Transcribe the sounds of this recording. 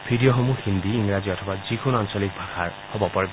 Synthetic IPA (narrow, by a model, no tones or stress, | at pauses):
bʱidijɔxomuhind̪iːŋɹaziɔtʰɔbazikʰunansɔlik̚bʱaxʰaɹhobɔpɔɹɛb